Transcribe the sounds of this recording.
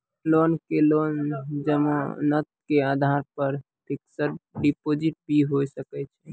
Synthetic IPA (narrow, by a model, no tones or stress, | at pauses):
lonkelond͡ʒəmo̰nət̪̚kead̪ʱaɾpəɾ | p̪ʰiksəɾɖipod͡ʒiʈ̚bʱiɦojsəkɛt͡ʃʰɛ̥